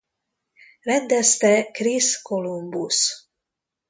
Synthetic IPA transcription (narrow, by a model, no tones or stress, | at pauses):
rɛnd̪ɛst̪ɛkriskolumbus